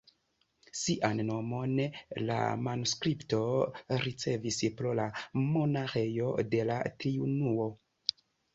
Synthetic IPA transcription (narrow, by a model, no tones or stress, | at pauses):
siʔanːo̞mo̞nla̰manuskɾipto̞ɾit͡se̞vispɾolamo̞naɾe̞jo̞de̞la̰tɾiunuo̞